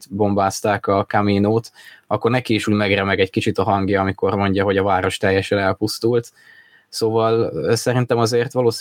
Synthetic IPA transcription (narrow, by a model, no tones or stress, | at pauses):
t̪bo̞mbaːst̪aːkɒkaminoːt̪ɒkːo̞rnɛkiːʃuːɟmɛɡrɛmɛɡɛɟkit͡ʃit̪ɒɦɒŋɡjɒɒmiko̞rmo̞ɲɟɒɦo̞ɟɒvaːɾo̞ʃt̪ɛjːɛʃɛnɛlpust̪ult̪ | soːvɒlːsɛɾint̪ɛmɒzeːrt̪ʋɒloːs